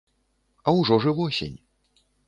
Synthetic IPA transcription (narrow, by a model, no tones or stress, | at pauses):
ɐwʐɔʐɨvɔsʲɛ̰nʲ